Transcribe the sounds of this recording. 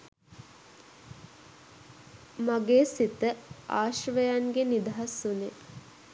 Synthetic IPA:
maɡeːsit̪əaːʃʋəjanɡenid̪aɦasune

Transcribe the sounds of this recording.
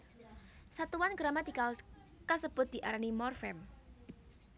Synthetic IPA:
sat̪uwanɡəɾamad̪̥ikal | kəsəb̥ʊt̪̚d̪̥iʔaɾanimɔrfɛm

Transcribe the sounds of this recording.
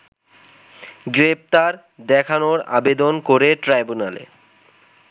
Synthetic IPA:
ɡɾep̚t̪aɾ | d̪ɛkʰanoɾa̰bed̪onkoɾeʈɾajbunalḛ

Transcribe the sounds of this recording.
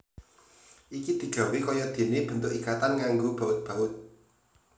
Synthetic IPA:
ʔikid̪̥i̤̥ʒ̥a̤wikɔjɔd̪̥e̤neb̥ənt̪ʊkikat̪anŋaŋɡob̥a̤ʊt̪̚b̥ä̤ʔʊt̪̚

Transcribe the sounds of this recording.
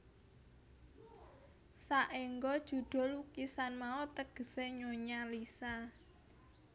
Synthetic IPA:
saʔeŋɡɔd̥ʒ̥ṳɖ̪̥ɔ̤lukisanmaot̪əɡ̥ə̤seɲoɲalisa

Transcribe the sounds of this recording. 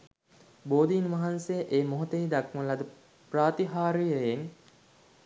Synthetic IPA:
boːd̪iːnʋaɦansejəʔeːmoɦot̪əid̪akməlad̪ə | praːt̪iɦaːɾijəjeŋ

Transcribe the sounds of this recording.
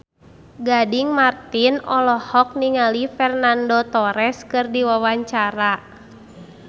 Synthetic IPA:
ɡadiŋmart̪inɔlɔhɔk̚niŋalifɛrnandot̪ɔɾɛskɨrdiwawaɲt͡ʃaɾa

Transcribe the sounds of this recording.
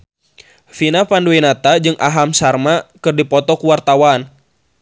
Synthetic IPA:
finapanduinat̪ad͡ʒɨŋʔaɦamsarmakɨrdipɔt̪ɔkuwart̪awan

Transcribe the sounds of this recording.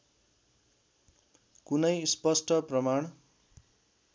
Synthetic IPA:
kunʌjspʌsʈʌprʌmaɳ̃

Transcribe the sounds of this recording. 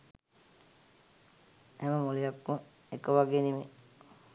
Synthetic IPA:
æməmulijakmu | ekːəʋaɡeːnime

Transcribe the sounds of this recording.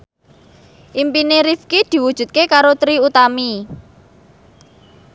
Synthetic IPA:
ʔimpineɾifkid̪̥i̤wud̥ʒ̥ṳt̪̚kekaɾot̪ɾiut̪ami

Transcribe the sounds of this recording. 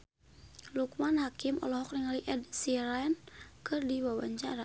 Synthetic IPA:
lukmanhakɪmɔ̰lɔɦɔk̚niŋaliʔɛdsiɾajnkɨrdiwawaɲt͡ʃaɾa

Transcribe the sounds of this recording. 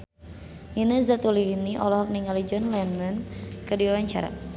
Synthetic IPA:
jinəzat̪ulihniʔɔlɔɦɔk̚niŋalid͡ʒɔnlɛnənkədiwawaɲt͡ʃa̰ɾa̰

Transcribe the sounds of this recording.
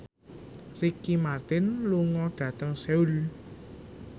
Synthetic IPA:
rikimart̪ɪnluŋɔɖ̥ä̤t̪əŋseul

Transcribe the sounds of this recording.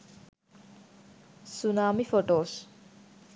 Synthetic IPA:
sunaːmifoʈoːs

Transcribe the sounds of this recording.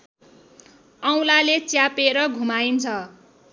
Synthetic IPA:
ʌw̃lalet͡sjapeɾʌɡʱumaint͡sʰʌ

